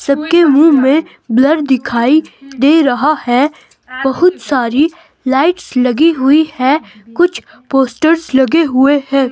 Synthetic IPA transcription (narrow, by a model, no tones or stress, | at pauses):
sɐb̚kemũːmẽ | blɐɾd̪ɪkʰaːid̪eːɾɐɦahɛː | bɐɦʊt̪saːɾi | laːɪʈslɐɡiɦʊihɛkʊt͡ʃʰ | poːsʈəɾzlɐɡeɦʊeɦɛ̃ː